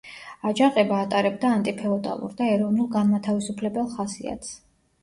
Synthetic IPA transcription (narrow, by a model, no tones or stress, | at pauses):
ad͡ʒaqʼɛbaːt̪ʼaɾɛbd̪aːnt̪ʼipʰɛɔt̪ʼa̰lˠṵɾd̪aɛɾɔvnulˠɡanmat̪ʰavisupʰlɛbɛlˠχasḭa̰t̪s